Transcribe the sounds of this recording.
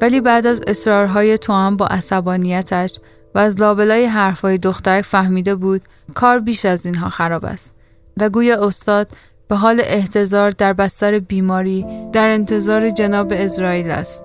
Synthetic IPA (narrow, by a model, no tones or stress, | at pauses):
væliːbæʔd̪æze̞sɾɒːɾɦɒːje̞t̪ʰoæmbɒ̰ːʔæsæbɒːnijæt̪ʰæʃ | væːzlɒːbe̞lɒːjeɦæɾfhɒːjed̪oxt̪æɾæcfæhmiːd̪e̞buːd̪̥ | kʰɒːɾbiːʃæziːnɦɒ̰ːxæɾɒːbæ̰st̪ | væɡuːjɒːost̪ɒːd̪̥ | b̥e̞ɦɒːle̞ʔeht̪ʰe̞zɒːɾd̪æɾbæst̪æɾebiːmɒːɾiːd̪̥æɾe̞nt̪ʰe̞zɒːɾe̞d͡ʒenɒːbeːsɾɒːiːlæ̰st̪